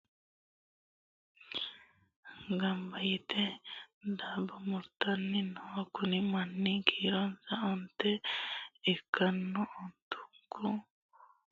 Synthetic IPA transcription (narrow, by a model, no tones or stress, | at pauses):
ɡambait̪edabɔmuɾt̪anːinɔkunimanːiɡʰiɾɔnsaɔnt̪e | ekanːɔʔɔnt̪u̥ŋku